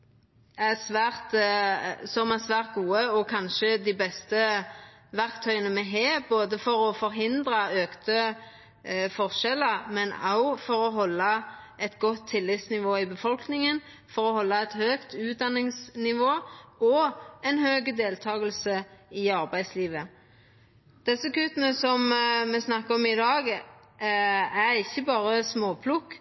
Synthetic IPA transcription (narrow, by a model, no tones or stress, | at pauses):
æsʋæːɾt̪ | sɔmæsʋæːʁt̪̚ɡuːəɔkʰɑnʃəd̪æbɛst̪ə | ʋæɾkt̪ʰœʏənəmɛɦeːboːd̪əfɔɾɔfɔɾɦɪnd̪ɾəøːkt̪ə | fɔʁʂɛləɾmɛnɑ̰ʊfɔɾɔɦɔlːə | ʔɛt̪ɡɔt̪ʰːɪlːɪt̪snɪʋoːɪbəfɔlknɪŋən | fɔʁɔhɔlːəɛt̪høːkt̪ʉːt̪̚d̪ɑnːɪŋsnɪʋoːɔɛnhøːɡəd̪eːlt̪ʰɑːɡəlsəɪɑʁbæɪd̪sliːʋə | d̪̥ɛsːəkʉːt̪ənəsɔmmɛsnɑkːəɔmɪd̪ɑːɡ | æɾɪçːəbɑːʁəsmoːpʰlʊkː